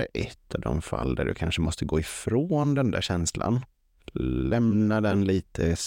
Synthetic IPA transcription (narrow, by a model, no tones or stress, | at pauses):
ʔɛt̪ʰːɑvd̪ɔmfa̰ld̪æɖɵ̰kʰanʂəmɔst̪ʰəɡoːɪfɾoːnd̪ɛnd̪æːɾɕɛnslʔa̰n | lɛmnad̪ɛnliːt̪ʰəs